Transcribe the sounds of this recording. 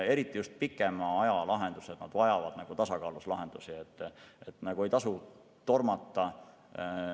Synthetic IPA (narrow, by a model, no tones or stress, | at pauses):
e̞ɾit̪ːˑijust̪̚pikːˑe̞mɑɑjɑlɑɦe̞nd̪̥used̪nɑd̪̥vɑjɑvɑd̪̥nɑɡ̥ut̪ɑsɑkɑːluslɑɦe̞nd̪̥usiet̪ːet̪ːnɑɡ̥ue̞jt̪ɑsu | t̪o̞rmɑt̪ːˑɑ